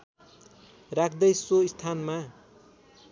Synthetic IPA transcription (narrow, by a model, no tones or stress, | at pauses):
rakʰd̪ʌjsoist̪ʰanma